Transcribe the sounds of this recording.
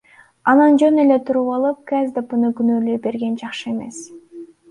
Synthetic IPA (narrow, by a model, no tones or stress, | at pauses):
ɑnɑnd͡ʒønele̞t̪ʰuɾuβɑlˠɯp̚kæzd̪əpɯnɯɡynøːlyjbe̞ɾɡe̞nd͡ʒɑqʃɯeme̞̰s